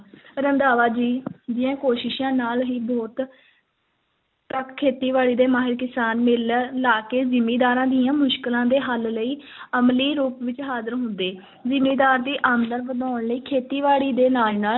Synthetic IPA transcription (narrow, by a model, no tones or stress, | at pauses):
ɾənd̪aːʋaːd͡ʒiːd͡ʒ̪ɪjãːkoːʃɪʃãːnaːlɦiːbɔːt̪ | təkkʰːeːt̪iːʋaːɽiːd̪eːmaːɦɪɾkɪsaːnmɪllaːkeːzɪmːiːd̪aːɾãːd̪iːãːmʊʃkɪlãːd̪eːɦəlləiː | əmliːɾuːpʋɪt͡ʃɦaːzəɾɦʊ̃nd̪eː | zɪmeːd̪aːɾd̪iːʔaːmd̪əɾʋəd̪aːɳləiːkʰeːt̪iːʋaːɽiːd̪eːnaːnaːl